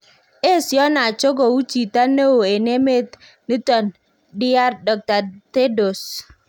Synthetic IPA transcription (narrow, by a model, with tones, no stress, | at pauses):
e˦˨sjɔ˦na˨t͡ʃo˦ɡo˨u˦t͡ʃi˨ta˦ne˦o˨e˨ne˦me˦t | ni˦tɔ˨n | dɪ˦a˦ɾdɔ˨k̚ta˨te˦do˨s